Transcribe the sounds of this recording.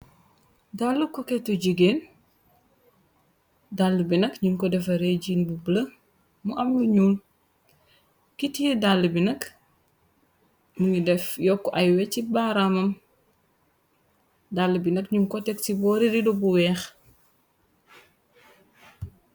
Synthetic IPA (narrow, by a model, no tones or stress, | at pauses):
dalːukɔkɛtuɟiɡen | dalːubinɐkɲunkɔdɛfɐɾeɟiːnbubəlɐ | muʔɐmluɲuːl | kitijɛdalːubinɐk | muŋidɛfjɔkːɔʔajwɛcibaɾamɐm | dalːubinɐkɲunkɔtɛk̚tibɔːɾiɾidɔbuwɛːx